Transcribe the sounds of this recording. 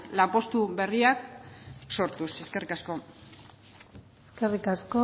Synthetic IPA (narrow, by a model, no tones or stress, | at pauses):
lampo̞st̪uβe̞riakso̞ɾt̪useske̞rikasko̞ | eskerikasko